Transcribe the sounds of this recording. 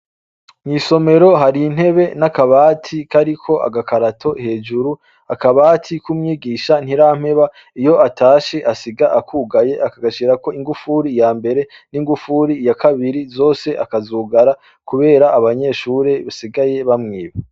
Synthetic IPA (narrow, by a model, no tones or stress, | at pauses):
ɲiːso̞me̞ɾo̞ɦaɾin̥he̞βe̞nakaβaːtʰikaɾikʰo̞ʔa̰ɡakaɾatʰo̞he̞ːd͡ʒuɾu | akaβaːtʰikumɲiːɡiːʃan̥iɾaːm̥he̞βa | ijo̞ʔatʰaːʃe̞ʔasiɡaʔakʰuːɡaje̞ʔakaɡaʃiɾako̞iŋɡufuɾijaːmbe̞ɾe̞ | niŋɡufuɾijakʰaβiɾizo̞ːse̞ʔakazuːɡaɾa | kuβe̞ːɾaːβaɲe̞ːʃuɾe̞βasiɡaje̞βamŋiːβe